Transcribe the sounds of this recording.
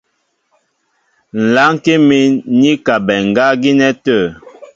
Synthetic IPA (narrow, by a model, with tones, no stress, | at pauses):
n̩˨la˨˦ŋ˦ke˦mi˦nɲi˦ka˨bɛ˨ŋ̩˨ɡa˦ɡi˦nɛ˦tə˦˨